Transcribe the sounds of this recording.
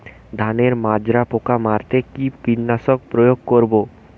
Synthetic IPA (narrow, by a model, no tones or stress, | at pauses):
d̪ʱaneɾmad͡ʑɾapokamaɾt̪ekipinːaʃok̚pɾojoɡ̚koɾbo